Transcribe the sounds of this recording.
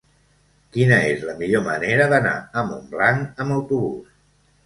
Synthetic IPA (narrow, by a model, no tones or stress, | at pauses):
kinəezləmiʎoməneɾəðəna̰əmumblaŋəməwt̪uβus